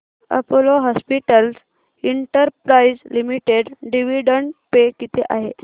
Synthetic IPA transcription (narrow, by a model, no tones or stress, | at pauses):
ə̰poloɦɔspiʈəls | iɳʈəɾpɾaid͡zlimiʈeɖɖiʋiɖəɳʈpekit̪ʰeʔaɦe